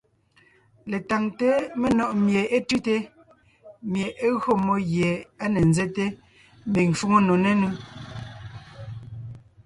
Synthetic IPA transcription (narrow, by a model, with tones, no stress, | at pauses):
le˨ta˨ŋte˦me˦nɔ˨ʔmje˨ʔe˦tʉ˦te˦ | mje˨ʔe˦ɣɰo˦˨mo˦ɣje˨a˦ne˨n̩zɛ˦te˦ | m̩˦bi˨ŋfu˦ŋo˦no˨ne˦nu˦